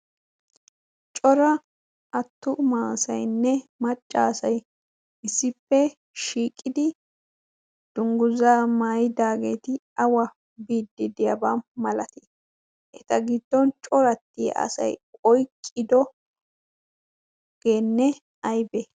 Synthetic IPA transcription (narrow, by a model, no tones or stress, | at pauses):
t͡ʃʼɔɾɐ | ʔɐt̪ːʊmaːsɐ̰jnːɛmɐt͡ʃʼːaːsɐj | ɪsːɪpːɛ | ʃiːkʼːɪd̪ɪ | d̪̥ʊŋɡʊzaːmaːjɪd̪aːɡḛːt̪ɪ | ɐwɐ | biːd̪ːɪd̪ɪjɐbaːmɐlɐt̪i | ʔɛt̪ɐɡɪd̪̥ːɔnt͡ʃʼɔɾɐt̪ːɪj̰ʔɐ̰sɐ̰jkʼɔjkʼːɪd̪ɔ | ɡ̥eːnːɛ | ɐjbɛ